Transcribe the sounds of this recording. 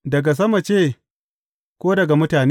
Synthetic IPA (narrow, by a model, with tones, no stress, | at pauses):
dɐ˨ɡa˨s̬ɐ˦ma˨t͡ʃeː˦˨ | kʷoː˦dɐ˨ɡa˨mʊ˦taː˨n˦